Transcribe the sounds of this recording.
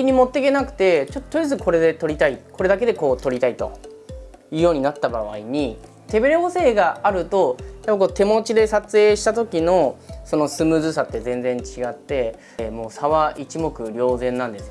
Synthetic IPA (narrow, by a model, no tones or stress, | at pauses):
iɲ̟imo̞t̪ːe̞ke̞nakɯ̟̥t̪e̞t͡ɕot̪ːot̪ːoɾʲizɨko̞ɾe̞d̪e̞t̪o̞ɾʲit̪aiko̞ɾe̞d̪ake̞d̪e̞ko̞ːt̪o̞ɾʲit̪ait̪o̞̰ | jɯ̟ːjo̞ːɲ̟inat̪ːabaβ̞a̰iɲ̟i | t̪e̞be̞ɾeose̞ːɡaaɾɯ̟t̪o̞japːako̞ːt̪e̞mo̞t͡ɕid̪e̞sat͡sɨe̞ːɕi̥t̪at̪o̞kʲino̞so̞no̞sɨmɯ̟zɨsat̪ːe̞zẽ̞nd͡zẽ̞ɲ̟t͡ɕiɡat̪ːe̞ | mo̞ːsaβaʔit͡ɕimo̞kɯ̟ɾʲjo̞ːzẽ̞nːãnd̪e̞sɨo